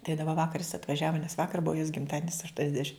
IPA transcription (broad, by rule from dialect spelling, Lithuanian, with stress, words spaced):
tɐɪ dɐˈbɐ ˈʋɑːkɐr jɪs ɐtʋɐˈʒʲæːʋɐ nʲɛs ˈʋɑːkɐr ˈbʊɐ joːs ɡʲɪmˈtɑːdʲiɛnʲɪs ɐʃtuɔnʲɛzʲˈdʲæːʃʲɪm